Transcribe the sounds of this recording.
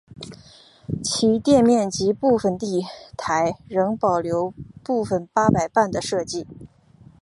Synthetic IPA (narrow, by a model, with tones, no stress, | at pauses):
t͡ɕʰi˧˥t̪jɛ˥˧nmjɛ˥˩nt͡ɕi˧˥pu˥˩fə˨˩nt̪i˥˩t̪ʰa˧˥ɪɻɤ˧˥ŋpɑ˨˩ʊljo˧˥ʊpu˥˩fə˨˩npa˥pa˨˩ɪpa˥˩nd̪ə˩ʂɤ˥˧t͡ɕi˥˩